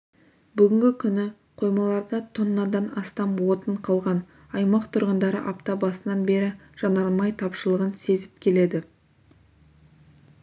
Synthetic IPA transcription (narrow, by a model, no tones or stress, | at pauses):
bʏɡʲɪŋɡʲɪkʲʰʏnɪ | qʰo̞jmɑlˠɑɾd̪ɑt̪ʰonːɑd̪ɑnɑst̪ɑmwo̞t̪əɴqʰɑlˠʁɑn | ɑjmɑqt̪ʰʊɾʁənd̪ɑɾə̰ʔɑpt̪ɑbɑsənɑnbe̞ɾɪʒ̥ɑnɑɾlˠmɑjt̪ʰɑpʃəlˠəʁənse̞zɪp̚kʲʰe̞le̞d̪ɪ